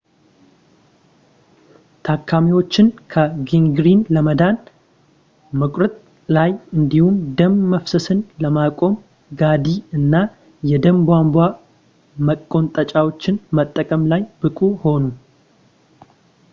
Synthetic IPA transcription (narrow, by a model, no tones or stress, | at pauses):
t̪ʰakʰːamiwo̞t͡ʃːɪnkʰəɡiŋɡɾinləməd̪an | məkʷʼɾət̪ʼ | lajɨnd̪ihumd̪əmːəfsɨsɨnləmakʼo̞m | ɡad̪iɨnːa | jɛd̪əmbwambwa | məkʼːo̞nt̪ʼət͡ʃʼawo̞t͡ʃːɪnmət̪ʼːəkʼəmlajbɨkʼuho̞nu